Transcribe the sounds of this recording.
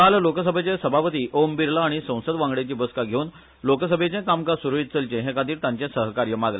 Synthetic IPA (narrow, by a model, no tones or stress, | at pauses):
kallokəsəbʱet͡ɕẽsəbʱapət̪iːʔombiɾlaːɽ̃isə̃w̃səd̪ʋãŋɡɽet͡ɕiːbəskaɡʱeuːn | loksəbʱet͡ɕẽkamkasuɾuit̪̚t͡səlt͡ɕẽɦẽkad̪iːɾt̪ãɲt͡ɕẽsəɦkaɾjəmaɡle